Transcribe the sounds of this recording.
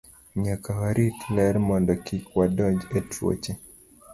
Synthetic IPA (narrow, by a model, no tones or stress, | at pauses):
ɲakawaɾitlɛɾmɔndɔkikwadɔd͡ʒɛtɾɔ̰t͡ʃɛ